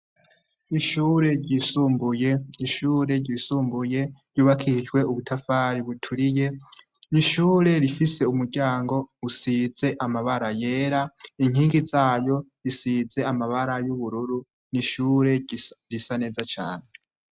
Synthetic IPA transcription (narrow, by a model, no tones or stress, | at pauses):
iʃuːɾe̞ɾɟisuːmbujeiʃuːɾe̞ɾɟiːsuːmbuje̞ɾjuːβakʰid͡ʒɡwe̞uβutʰafaːɾiβutʰuɾije̞ | niʃuːɾe̞ɾifise̞umuɾɟaːŋɡo̞usize̞ʔamaβaɾaje̞ːɾaiŋ̥hiːŋɡizaːjo̞ɾisiːze̞amaβaɾajuβuɾuɾu | niʃuːɾe̞ɾisane̞ːzat͡ʃa̰ːne̞